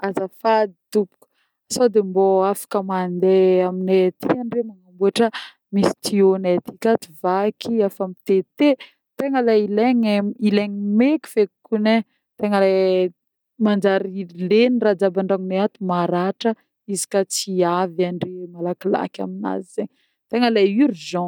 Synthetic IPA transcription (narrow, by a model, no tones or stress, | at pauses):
azafad̪it̪upu̥k | sod̪emboafḁkəmand̪eaminet̪ʰiaɳɖ͡ʐemaŋambuaʈ͡ʂə | misi̥t̪ionet̪i̥kʲat̪i̥vakʰiafamit̪et̪e | t̪eŋəlaileŋeileŋimeki̥fekune | t̪eŋəla | mand͡ʒaɾilenirad͡zabaɳɖ͡ʐaŋuneat̪umaɾaʈ͡ʂə | izi̥kat͡siavaɳɖ͡ʐemalakila̰kʲa̰mina̰zizeɲ | t̪eŋəlaiɾuzɔ̃